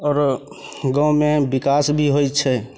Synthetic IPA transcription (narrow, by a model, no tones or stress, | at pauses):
ɔːɾ | ɡɔ̃mebikasbʱiɦojt͡ʃʰɛ